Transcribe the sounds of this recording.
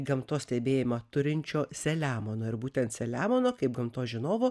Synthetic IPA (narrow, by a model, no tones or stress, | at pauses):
ɡɐmt̪oːsʲt̪ʲɛːbʲeːjɪmɐt̪ʊɾʲɪnʲt͡ʃʲoːsʲɛlʲæːmoːnoːɪɾbuːt̪ʲɛnt̪sʲɛlʲæːmoːnoːkɐɪp̚ɡɐmt̪oːʒʲɪnoːʋoː